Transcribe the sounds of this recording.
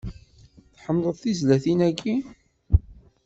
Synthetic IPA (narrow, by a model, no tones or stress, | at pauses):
θħəmːlˤəðˤθizlæθinækːi